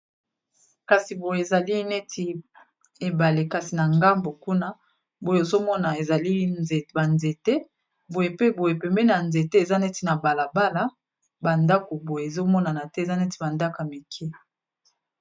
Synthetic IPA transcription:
ka˨si˨bo˨je˨e˨za˨li˦ne˦tʰi˨ | e˨ba˨le˨ka˨si˨na˨ŋɡa˦mbo˨ku˦na˦ | bo˨jo˨o˨zo˦mɔ˦na˨e˨za˨li˦e˨ba˨nze˨tɛ˦ | bo˨je˨pe˦bo˨je˨pɛ˨mbɛ˦na˨nze˨te˦e˨za˦nɛ˦ti˨na˨ba˨la˨ba˦la˦ | ba˨nda˦ko˨bo˨je˨e˨zo˦mɔ˦na˨na˨tɛ˦e˨za˦nɛ˦ti˨ba˨nda˦ka˨mi˨kʰɛ˦

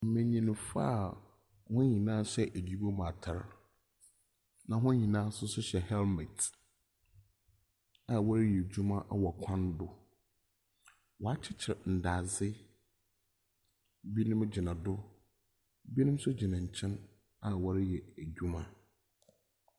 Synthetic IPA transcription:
m̩˨mẽ˨ɲĩ˨ñ˨fa̰ː˦˨ | hʊ̃˦ɲĩ˨nãː˦ɕɛ˦ʔæ˨di˦bo˦mã˨tʰa˨ɾ | nã˨ɦʊ̃˦ɲĩ˨nãː˦sʊ˦sʊ˦ɕɛ˨hɛ˦lmɛ˨t | a˨wa˦ɾjɛ˨d͡ʑᶣu˦mã˦ʔa˨wɔ˨kʷʰã˦n˦dʊ˦ | wɔ˨a˦t͡ɕʰɪ˦t͡ɕʰɪ˨ɾn̩˨daː˨zɪ˦ | bi˦nʊ̃˦m˦d͡ʑi˨nã˨dʊ˦ | bi˦nʊ̃˦m˦sʊ˦d͡ʑi˨nã˨ɲ̩˨t͡ɕʰɛ̃˦n | a˨wa˦ɾjɛ˨æ˨d͡ʑᶣu˦mã̰˦

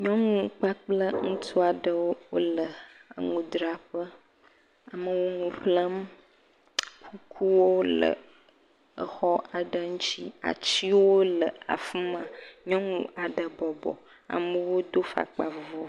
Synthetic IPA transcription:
ɲɔ̃˦ŋũ˦k͡pa˦k͡plə˦ŋũ˦t̪ʰu˦a˨ɖə˨wo˦wo̰˦lə˨ə̰˨ŋũ˨d̪ɾa˨ɸə˦ | a˨mə˦wo˦ŋũ˨ɸlə˦m | kʰu˦kʰu˦wo˦lə̰˨ | ə̰˨xɔ˦ʔa˨ɖə˦ŋũ˦t͡ɕi˦a̰˨t͡ɕi˦wo˦lə˨a̰˨fi˦mã˨ɲɔ̃˦ŋũ˨a˨ɖə˨bɔ˨bɔ̰˨ | a̰˨mə˨wo˦d̪o˦fa̰˨k͡pa˨vo˦

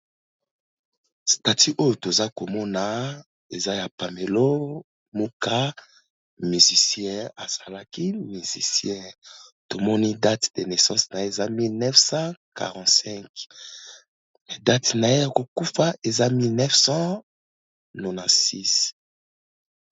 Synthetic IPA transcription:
sta˨ti˦ʔo˦jo˨to˨za˦ko˨mɔ˦na˨ | e˨za˦ja˨pa˨me˨lo˦ | mo˦ka˦ | my˨zi˨sjɛ̃˦a˨z̥a˨la˦ki˦mi˨zḭ˨sjɛ̃˦to˨mɔ˦ni˦da˦tde˨ne˨sɑ̃˦sna˨e˦˨za˦mi˦lnɛ˦fsɑ̃˦ka̰˨ʁɑ̃˨tsɛ̃˦k | da˦tna˨e˦ja˨ko˨ku˦fa˦ʔe˨za˦mi˦lnɛ˦fsɑ̃˦ | no˨na˨si˦s

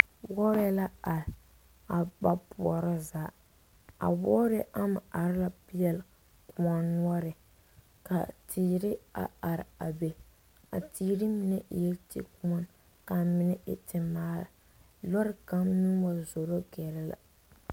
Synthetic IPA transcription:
wɔ˦ɾɛ˦la˦a˨ɾ | a˨ba˦pu˨ɔ˨ɾɪ˦zaː˦ | a̰˨bɔ˦ɾɛ˦ʔa˦ma˨a˨ɾɪ˦la˨pi˦jɛ˨l | ku˨˦ɔ˦nnːwɔ˦ɾɪ˨ | ka̰˨tʰiː˨ɾɪ˦a̰˨a˨ɾɪ˨a̰˨be˨ | a̰˨tiː˨ɾi˦mi˨nɛ˦ʔjɛ˦tḭ˦ku˦ɔ˦n | ka˨mɪ˦nɛ˦ɪ̰˨tɪ˨maː˦la̰˨ | lɔ˦ɾɪ˦ka˦mnu˦wa˦zo˨ɾo˦ɡɛ˨ɾɛ˦la̰˨

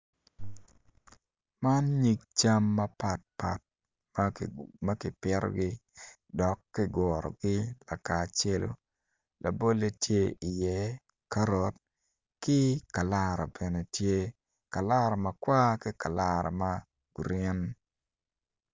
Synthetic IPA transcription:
ma˦nɲi˦k̚t͡ʃa˦mːɐ˦pa˨t̚pa̰˨t̚ | mmɐ˦kɪ˨pɪ˦ɾ̰ɡɪ˦ | dɔ˨kːɪ˦ɡɔ˨ɾɔ̰˨ɡɪ˦la˨ka˨t͡ʃe˦lo̰˨ | la̰˨bo˦le˦tje˦i˨jɛ˨˦ | ka˦ɾo˨t̚ | kɪ˦ka˨la˦˨ɾo̰˨bɛ˨ne˨tje˦ | ka˨la˦ɾo˨mɐ˨kwa˦kɪ˦ka˨la˦ɾɔ̰˨ma˦ | ɡ̥ɾɪ˦n

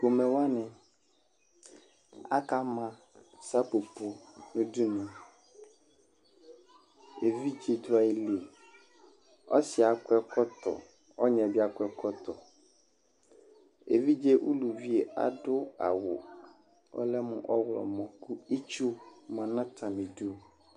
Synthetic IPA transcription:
ɡo˨mɛ̃˨wa˦nɛ̃˨ | a̰˦ka˦mã˨ | sa˦po˨po˨nũ˦du˦nã˨ | e˨vi˦d͡ʒi˨d̪ʊ˦a˨i˨le˨ | ɔ̰˦sɪ˨a˨kʊ˦ɛ˦kʰɔ˦t̪ɔ̰˨ | ɔ˦ɲɛ̃˨bi˦a˨kʊ˦ɛ˦kʰɔ˦t̪ɔ˨ | ḛ˨vi˦d͡ʒe˦ʔṵ˦lu˨vi˦e˨a̰˨ɖʊ˦a̰˨wʊ̰˨ | ɔ̰˦lɛ˦mʊ̃˦˨ʔɔ˦wlɔ̰˨mɔ̃˨ku˦i˦t͡ʃu˦mã˨nã˦t̪ʰã˨mẽ˨du˦˨

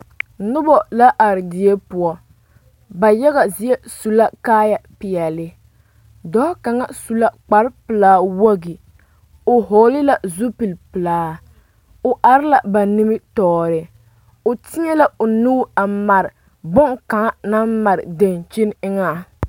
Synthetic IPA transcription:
nʊ˦bɔ˨la˦ʔa˨ɾɪ˨dɪ˨e˦pʊ˨ɔ˦ | ba˨jɛ˦ɣa˨zi˦e˦su˨la˦kaː˦ja˦pɪ˨jɛ˨lɪ˨˦ | dɔ˦ka˨ŋa˦su˨la˦k͡pa˨˦ɾpɨ˨laː˦wa˦ɡi˨ | o˨ɦoː˨lɪ˦la˨zu˦pi˨lpɨ˨laː˦ | o˨ʔa˨ɾɪ˦la˨ba˨ni˦mɪ˦tɔː˨ɾɪ˨ | o˨tɪ˦ɲɛ˦la˨o˨nuː˦a˨ma˨ɾɪ˨ | bʊ˦ŋka˨ŋa˦na˦mma˨ɾɪ˨de˨nt͡ʃi˦nɪ˦ŋa˦˨

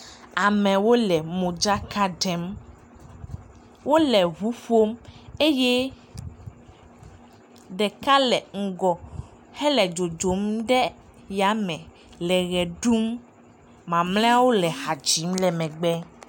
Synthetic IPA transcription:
a˨mɛ̃˨wo˦lɛ˨mõ˨d͡ʒa˦ka˦ɖɛ˨˦m | wo˦lɛ˨ɦu˦ɸo˦me˦jɛ˦ | ɖɛ˨ka˦lɛ˨ŋ̩˨ɡɔ˨ | hɛ˦lɛ˨d͡ʒo˨d͡ʒo˨˦mɖɛ˦ | ja˨mɛ̃˨ | lɛ˨ɣɛ˨ɖu˦mː | ã˨mlɛ̃˦a˦wo˦lɛ˨ha˨d͡ʒi˨˦mlɛ˨mɛ̃˨ɡ͡bɛ˦

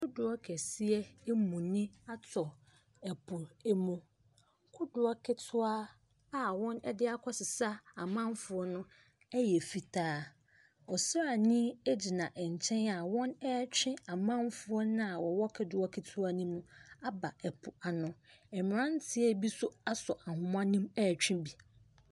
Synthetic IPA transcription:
kʰʊ˦dʊ˨ɔ˦kʰɛ˨si˦ɛ˦mũ˨nĩ˦a˦tʰɔ˨ | ɛ˨pʰʊ˨ɾɛ˦mũ˨ | kʰʊ˦dʊ˨ɔ˦kʰɪ˦tʰʊ˦a˦ | a˨wɔ̃˦nɛ˦dɪ˦a˦kʰɔ˦sɪ˨sa˦a˨mã˦m˦fʊ˨˦ɔ˦nʊ̃˦ | ɛ˦jɛ˨fi˨tʰaː˦ | ɔ˨sa˨nĩ˦e˦d͡ʑi˨nã˨ʔɛ˨ɲ̩˨t͡ɕʰɛ̃˦na˨wɔ̃˦nɛ˦t͡ɕᶣɪ̃˦a˨mã˦mfʊ˦ɔ˦nʊ̃˦a˨wɔ˨wɔ˦kʰɪ˨˦dʊ˨˦ɔ˦kʰɪ˦tʰʊ˦a˦nĩ˦mũ˦a˦ba˨ɛ˨pʰʊ˨a˨nʊ̃˨ɛ˨m˨ɾã˦n˦tʰɪ˦ɛ˦bi˦sʊ˦a˦sɔ˨ʔa˨hʊ̃˦m˦ã˦nĩ˦mɛː˦˨t͡ɕᶣɪ̃˦bi˨

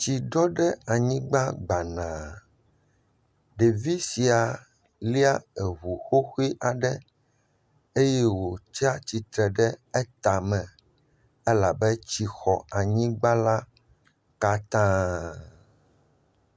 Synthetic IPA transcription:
t͡ɕi˨ɖɔ˦ɖɛ˦a˨ɲĩ˦ɡ͡ba˦ɡ͡ba˨nã˨ | ɖe˨vi˦si˨a˨ | li˦a˦ɛ˨ɦu˨xo˦xi˦ʔa˨ɖɛ˦ | e˦jɛ˦wo˨t͡ʃa˦t͡ɕi˨t̪ɾɛ˨ɖɛ˦ɛ˦t̪a˨mɛ̃˨ | e˦la˨bɛ˦t͡ɕi˨xɔ˨a˨ɲĩ˦ɡ͡ba˦la˦ | ka˦t̪ã˦

